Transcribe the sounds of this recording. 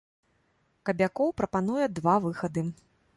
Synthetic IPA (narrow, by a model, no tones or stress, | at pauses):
kɐbʲakɔwpɾɐpanujɛd̪vavɨxɐd̪ɨ